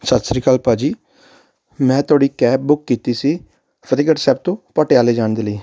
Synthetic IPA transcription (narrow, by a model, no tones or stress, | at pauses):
sət̪sɾiːkaːlpaːd͡ʒiː | mɛ̃ːt̪ʊaːɽiːkɛːp̚bʊkːiːt̪iːsiː | pʰəɾiːɡəʈsɛːb̚t̪õːpəʈeaːleːd͡ʒaːnd̪eːləiː